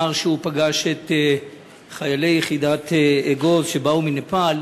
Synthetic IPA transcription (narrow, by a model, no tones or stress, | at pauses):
aʁʃeupaɡaʃet̪ | χajale̞jeχidat̪eɡo̞zʃebauminapal